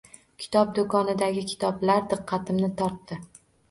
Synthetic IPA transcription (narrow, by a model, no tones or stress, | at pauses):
kʲʰɪ̥t̪ʰɒp̚d̪okʰɒnɪd̪aɡʲɪkʲʰɪ̥t̪ʰɒblaɾd̪ɨqʰːɑt̪ʰɪmnɪt̪ʰɒɾt̪ːɪ